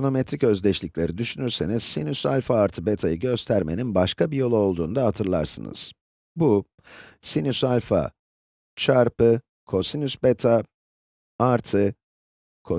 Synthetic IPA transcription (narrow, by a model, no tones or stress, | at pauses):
ono̞met̪ɾicø̞zd̪ʲɛt͡ʃlʲiclʲe̞ɾid̪yʃynyɾse̞niz̥sinysalʲfaːɾt̪ʰɯbet̪ʰajɯɟø̞st̪ʰæɾme̞̰ninbaʃkʰabijo̞lˠuo̞lˠd̪uːnd̪aɦat̪ʰɯɾlˠa̰ɾsɯnɯ̰z̥ | bu | sinysalʲfa̰ | t͡ʃʰaɾpɯ | kʰo̞sinysbet̪ʰa | aɾt̪ʰɯ | kʰo